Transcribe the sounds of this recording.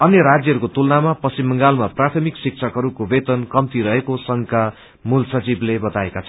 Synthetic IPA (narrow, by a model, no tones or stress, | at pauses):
ʌnjʌɾad͡zjʌɦʌɾukot̪ulnamapʌsimːʌŋɡalmaprat̪ʰʌmiksik̚t͡sʰʌkɦʌɾukobet̪ʌnkʌmt̪iɾʌɦekosʌŋka | mulsʌt͡siblebʌt̪aekat͡sʰʌ